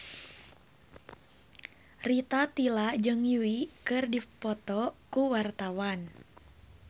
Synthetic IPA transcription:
rit̪at̪ilad͡ʒɨŋjuikɨrdipɔt̪ɔkuwart̪awan

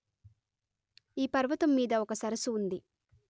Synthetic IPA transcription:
iːpɐɾʋɐt̪ɐmːiːd̪ɐɔkɐsɐɾɐsuːnd̪i

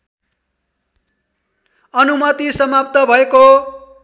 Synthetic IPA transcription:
ʌnumʌt̪isʌmap̚t̪ʌbʱʌeko

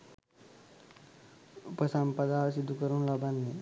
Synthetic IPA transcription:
upəsampəd̪asid̪ʱukəɾũnlabənːe

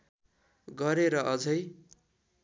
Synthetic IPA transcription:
ɡʌɾeɾʌʔʌd͡zʌj

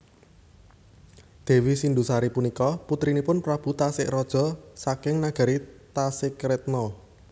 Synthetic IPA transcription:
d̪̥e̤wisind̪usaɾipunikɔput̪ɾinipʊnpɾab̥ṳt̪asɪʔɾɔd̥ʒ̥ɔ̤sakɪŋnaɡ̥a̤ɾit̪asɪkɾɛt̪̚nɔ

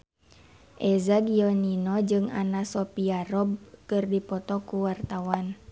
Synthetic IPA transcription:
ʔɛzaɡiɔninɔd͡ʒɨŋa̰nasɔpiarɔb̚kɨrdipɔt̪ɔkuwart̪awan

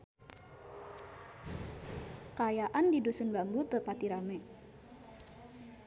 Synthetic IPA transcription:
kajaʔandidusunbambut̪əpat̪iɾamɛ

